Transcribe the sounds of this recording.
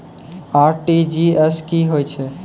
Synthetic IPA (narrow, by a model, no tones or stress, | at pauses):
aɾʈid͡ʒieskiɦojt͡ʃʰe